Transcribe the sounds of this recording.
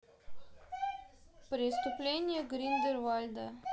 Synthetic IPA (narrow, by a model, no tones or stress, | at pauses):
pɾʲɪst̪ʊplʲenʲɪjəɡɾʲind̪ʲərvalʲd̪ə